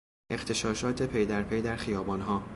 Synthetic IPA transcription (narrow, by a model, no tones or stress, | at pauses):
ʔe̞xt̪ʰe̞ʃɒːʃɒːt̪ʰe̞pʰe̞jd̪æɾpʰe̞jd̪æɾxijɒːbɒːnɦɒː